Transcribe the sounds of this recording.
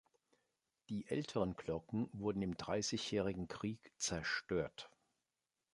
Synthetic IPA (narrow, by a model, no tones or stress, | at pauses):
d̥iːʔɛ̰ltʰəʁənkl̥ɔkŋ̩vʊɐdn̩ɪmdʁaɪsɪçjɛːʁɪɡŋ̩kʁ̥iːkt͡sɛɐʃtøːɐt